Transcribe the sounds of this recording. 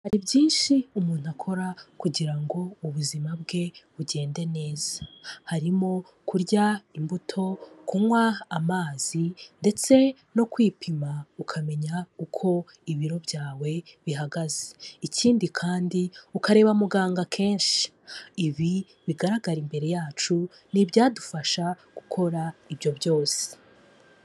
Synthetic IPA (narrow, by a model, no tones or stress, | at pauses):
haɾibjiːnʃiumuːn̥uakʰo̞ɾakuɟiɾaŋɡo̞uβuzimabɡe̞βuɟe̞ːnde̞ne̞ːz̥ahaɾimo̞ | kuɾɟaimbutʰo̞kumwaːmaːz̥inde̞t͡se̞ | no̞kwiːpʰimaukʰame̞ɲaukʰo̞ | iβiɾo̞bjaːwe̞βiɦaɡaze̥iciːndikʰaːndiukaɾe̞ːβamuɡaːŋɡakʰe̞ːnʃi̥ | iβi | βiɡaɾaɡaɾimbe̞ɾe̞jaːt͡ʃu | nibɟaːdufaʃa | ɡ̥ukʰo̞ɾaibjo̞bjo̞ːse̥